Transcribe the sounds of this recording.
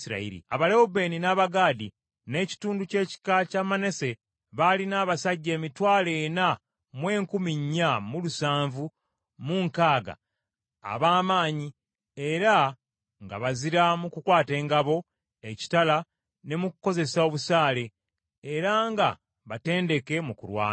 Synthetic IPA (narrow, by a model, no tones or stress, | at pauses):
iɾa̰ḭɾḭa̰βaleube̞ːninaːβaɡaːdi | ne̞ːci̥tuːnduce̞ːci̥kacamane̞se̞ | βalinaːβasaɟːe̞ːmitwaːle̞ːna | mwe̞ːŋkumiɲːamulusaːɱvu | muːŋkaːɡa̰ː | βaːmaːɲi | e̞ɾa | ŋɡa̰βaziɾamukukwaːte̞ːŋɡaβo̞ | eci̥tala | ne̞mukuko̞ze̞sao̞βusaːle̞ː | ɾaŋɡa̰ | βate̞ːnde̞ke̞mukṵɾwa̰ːn